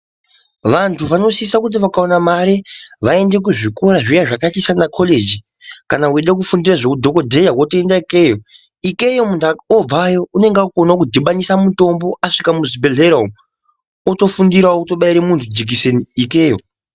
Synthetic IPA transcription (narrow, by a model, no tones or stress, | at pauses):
ʋantʰuʋano̞siːsakut̬iʋakao̞namaɾeʋae̞nde̞k̬uʐiko̞ɾaʐijaʐakatisanakʰo̞le̞d͡ʒi | kanaueɗek̬ufundiraʐekudʱo̞ko̞dʱejawotoendaikejo | ike̞jomundaob͡vajo̞une̞ŋɡakonakudʱiɓanisamuto̞mbo̞ʔaʂikamuzibeɮeɾaum | oto̞fundiɾauto̞ɓaiɾemuntʰud͡zik̬iseniikeːjo